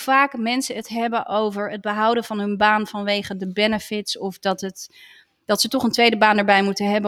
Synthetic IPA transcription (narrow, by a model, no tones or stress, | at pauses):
faːkmɛnsəətɦɛbənʔowvəɹəd̚bəɦʌwdənvɑnɦɵnbaːnvɑnʋejχədəbɛnəfɪtsɔfdɑtət | d̥ɑtsətɔχəntʋejdəbaːndəɹbɛjmutəɦɛbə